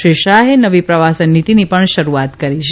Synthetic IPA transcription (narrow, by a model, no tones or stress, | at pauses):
ʃiʃaɦenəʋipɾəʋasənːit̪inipəɳʃəɾuat̪kəɾit͡ʃʰ